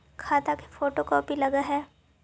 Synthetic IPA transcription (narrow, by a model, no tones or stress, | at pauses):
kʰaːt̪ake̥foːʈokɔːpilɐɡaɦɛː